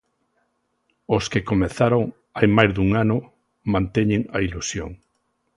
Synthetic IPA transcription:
oskɪkomeθaɾoŋ | ajmajzðuŋanʊ | mãnt̪eɲeŋɐilusjo̰ŋ

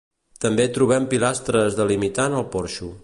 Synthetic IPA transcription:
t̪əmbet̪ɾuβ̞ɛmpilast̪ɾəzðəlimit̪anəlˠpɔɾʃu

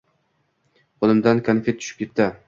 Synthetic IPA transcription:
olˠɪmd̪ankʰanfet̪ʰːʊ̥ʃɪ̥p̚kʲet̚t̪ʰa

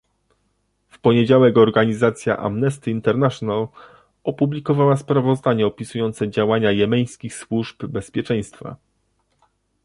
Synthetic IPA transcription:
fpɔɲed͡ʑawɛkɔɾɡaɲizat̪sʲja̰ʔa̰mnɛst̪ɘint̪ɛɾnaʂɔnal | ɔpublʲikɔvawaspɾavɔzd̪aɲɛɔpʲisujɔnt̪sɛd͡ʑawaɲajɛmɛj̃skʲixswuʐbbɛspʲjɛt͡ʂɛ̃j̃st̪fa̰

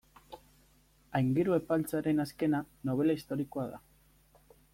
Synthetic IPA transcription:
ajŋɡiɾue̞palt͡saɾe̞naske̞na | no̞β̞e̞laist̪o̞ɾiko̞aða̰

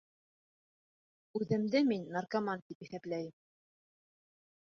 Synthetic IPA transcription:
ʉðɘ̆md̪ɘminːarkamant̪ipiθæplæjɘm

